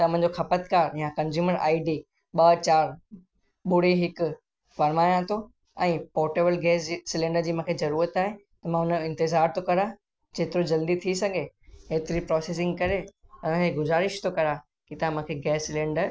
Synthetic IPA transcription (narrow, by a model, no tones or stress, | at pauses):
t̪ɐm̤̃ɲ̆d͡ʑoxɐpət̪̚kaːɾjãkɐ̃nzjuːməɾa̰ːiɖi | ɓɐt͡ɕaːɾ | ɓʊɽ̤iɦɪkʊ | fɐɾmaːjãt̪ʰo | ɛ̃ːpɔːɾʈeːbəlɡɛːssɪlẽːɳɖəɾd͡ʑiːmʊ̃kʰezɐɾuːɾət̪aːɦe | t̪ɐmãɦʊnəɪ̃nt̪ɪzaːɾt̪ʰokɐɾa | d͡ʑeːt̪ɪɾod͡ʑɐld̪it̪ʰisɐɡʱeɦeːt̪ɪɾipɾɔːseːs̬ɪ̃ŋɡkɐɾeʊnə̃keɡʊzaːɾɪʃt̪ʰokɐɾa | kit̪ɐɦãmʊ̃kʰeɡɛːsːɪlẽːɳɖəɾ